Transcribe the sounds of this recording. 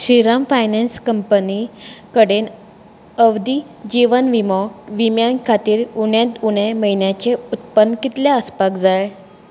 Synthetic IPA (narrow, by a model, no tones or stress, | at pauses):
ɕiɾamfajnɛnskəmpənikəɽen | əʋd̪i | d͡ʑiʋənʋimɔʋimjankʰat̪iːɾuɳjãt̪uɽ̃eməɦinjat͡ɕeut̪̚pənːkit̪ljaəspakd͡zaj